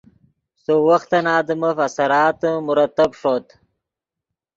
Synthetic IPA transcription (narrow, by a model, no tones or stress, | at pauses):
sowɐxt̪ɐnɑːd̪əmɐfɐsɐɾɑːt̪ɨmuɾɐt̪ːɐbʂot̪